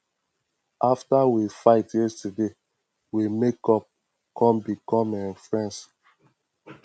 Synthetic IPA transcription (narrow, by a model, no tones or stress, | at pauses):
ʔaftawifaɪtjɛstade | wimekɔp̚ | kʰɔ̃mbikɔ̃mɛ̃nfɹɛ̃ns